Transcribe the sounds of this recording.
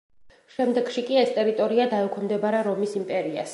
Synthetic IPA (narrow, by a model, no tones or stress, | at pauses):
ʃɛmd̪ɛɡ̥ʃikʼiɛst̪ʼɛɾit̪ʼɔɾiad̪aɛkʰɔmd̪ɛbaɾɛɾɔmisimpʼɛɾia̰s